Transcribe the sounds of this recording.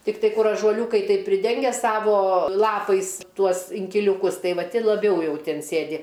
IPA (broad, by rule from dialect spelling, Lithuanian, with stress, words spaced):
tʲɪkˈtɐɪ ˈkʊr ɐʒuɔˈlʲuːkɐɪ tɐɪp pʲrʲɪˈdʲɛŋʲɡʲɛ ˈsɑːʋoː ˈlˠɑːpɐɪs ˈtuɔs ɪŋʲkʲɪlʲuːˈkʊs ˈtɐɪ ˈʋɐ ˈtʲɪ lˠɐˈbʲɛʊ ˈjɛʊ ˈtʲɪn ˈsʲeːdʲɪ